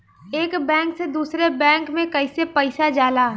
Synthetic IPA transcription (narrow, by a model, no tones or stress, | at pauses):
eːkbɛ̃ːŋksed̪uːsɾebɛ̃ːŋkmẽkəɪsepəɪsad͡ʒaːla